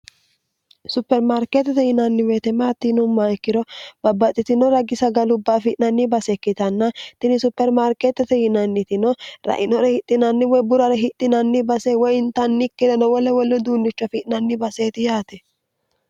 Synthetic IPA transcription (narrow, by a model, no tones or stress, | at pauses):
sʊpːɛɾmaɾket̪ːɛt̪ɛjɪnɐnːɪweːt̪ɛmaːt̪ːɪnʊmːaɛkːɪɾɔb̥ɐbːɐt̪ʼːɪt̪ɪnɔɾɐɡɪsɐɡɐlʊbːɐfɪʔnɐnːɪbɐsɛkːɪt̪ɐnːɐt̪ɪnɪsʊpːɛɾmaɾket̪ːɛt̪ɛjɪnɐnːɪt̪ɪnɔɾɐ̰ʔɪnɔɾɛhɪt̪ʼːɪnɐnːɪwɔjbʊɾɐɾɛɦɪt̪ʼːɪnɐnːɪbɐsɛwɔjɪnt̪ɐnːɪkːɪd̪ɛnɔwɔlɛwɔlːɛd̪uːnːɪt͡ʃːɐfɪʔnɐnːɪbɐseːt̪ɪjaːt̪ɛ